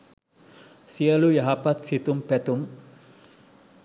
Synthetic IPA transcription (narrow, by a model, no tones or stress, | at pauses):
siəlujaɦapat̪̚sit̪umpɛt̪um